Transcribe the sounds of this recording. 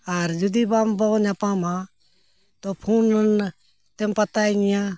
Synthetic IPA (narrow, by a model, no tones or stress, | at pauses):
aɾd͡ʒud̪ibaːmbɔnãpaːmã | t̪opʰuːnn | t̪empɐt̪aːinjã